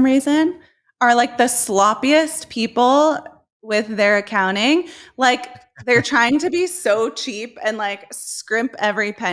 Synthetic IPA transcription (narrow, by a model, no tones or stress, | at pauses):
mɹizɨ̃n | ə˞laɪk̚ðɨslɑpiɨspʰipl̩ˠ | wɪðə˞ɨkʰãʊ̃ɾ̃ɪ̃ŋlaɪk | ðə˞tʰɹ̥aɪɪ̃ŋtɨbisoʊt͡ʃʰipɨ̃nlaɪkskɹɪ̃mpɛvɹipʰɛ̃